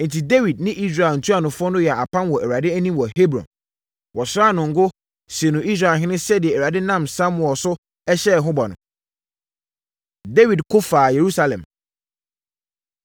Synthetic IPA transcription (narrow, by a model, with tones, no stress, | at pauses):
n̩˨tʰi˨de˦wi˨d̚nɪ̃˦ʔi˦s̬ɾa˨ɛ˨ln̩˨tʰu˦a˨nʊ̃˨fʊ˦ɔ˦nʊ̃˦jɛ˨a˨pʰã˦nwɔ˨æ˨wa˨dɪ˦æ˦nĩ˦mwɔ˨he˦bɾɔ̰̃˨n | wɔ˨sɾa˦˨nʊ̃˨ŋ̩˦ɡʊ˦ | se˨nʊ̃˨i˦s̬ɾa˨ɦɪ̃˦nʊ̃˦sɛ˦dɪ˨ɛ˨æ˨a˨dɪ˦nã˦˨msa˦mʊ˨ɔ˨sʊ˦ | ɛ˦ɕɛ˦˨ɦʊ̃˦ba˨nʊ̰̃˨ | de˦wi˨dkʰʊ˦faː˨je˨ɾu˦sa˦lɛ̰̃˨m